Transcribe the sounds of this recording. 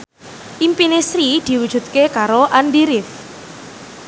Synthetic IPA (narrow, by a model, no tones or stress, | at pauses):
ʔimpinesɾid̪̥i̤wud̥ʒ̥ṳt̪̚kekaɾoʔandiɾɪf